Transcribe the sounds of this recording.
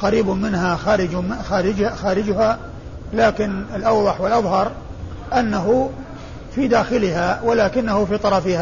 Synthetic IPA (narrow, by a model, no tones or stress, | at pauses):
qɑɾiːbmɪnɦaxaːɾɪd͡ʒmɪxaːɾɪd͡ʒxaːɾɪd͡ʒʊha | laːkɪnɪlʔɑwðˤɑħwɪlʔɑðˤhɑɾˤ | ʔanːaɦʊ | fid̪aːxɪlɪhawalaːkɪnːahʊfiːt̪ˤɑɾˤɑfɪha